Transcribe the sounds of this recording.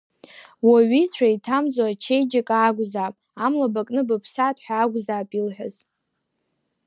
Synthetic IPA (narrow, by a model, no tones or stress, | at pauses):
waɥit͡sʷʰaitʰamd͡zʷʼat͡ʃʰejd͡ʒakʼaːɡʷzaːpʼamlabakʼnɨbɨpʰsatʰʼħʷᶣaːɡʷzaːpʼilħʷᶣa̰z̥